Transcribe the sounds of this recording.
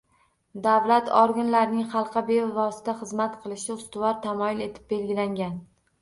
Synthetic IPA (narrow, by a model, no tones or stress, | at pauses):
d̪avlat̪ʰɒɾɡʲanlaɾnɪŋχɑlˠqʰɑbevɒsɪ̥t̪ʰaχɨzmat̪qʰɨlˠɪʃɪʊst̪ʊvɒɾt̪ʰamɒjɪle̞t̪ʰɪ̥p̚be̞lɡʲɪlaŋɡʲan